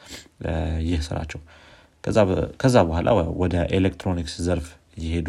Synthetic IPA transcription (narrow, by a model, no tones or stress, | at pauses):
jɪhsɨ̰ɾa̰t͡ʃːɛwʰ | akʰəzːabəhʷalʔa̰wɔd̪əʔelekt̪ʰɾo̞nikszəɾf | jɪhe̞d̪